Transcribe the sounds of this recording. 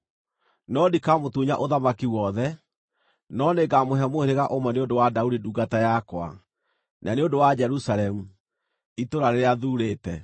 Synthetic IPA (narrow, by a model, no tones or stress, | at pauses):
nɔdikamotuɲa̰ʔoðamakiwɔðɛ | nɔneɡamoɦɛmoeɾeɣaʔomwɛneondowadaudiduːɡatajakwa̰ | nʔaneondowad͡ʒɛɾusaɾɛmu | itoɾaɾeɾeaðuɾeːtɛ